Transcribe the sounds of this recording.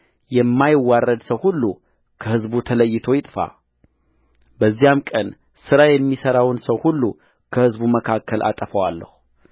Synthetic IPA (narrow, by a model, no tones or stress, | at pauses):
jɛmːajɪwːarːəd̪səwhulːu | kʰəhɨzbut̪ʰələjːɪt̪ʰo̞jɪt̪ʼfa̰ | bəzːijamkʼən | sɨɾajɛmːisəɾawɨnsəwhulːu | kʰəhɨzbuməkʰakʰːəlʔa̰t̪ʼəfəwalːə̰hu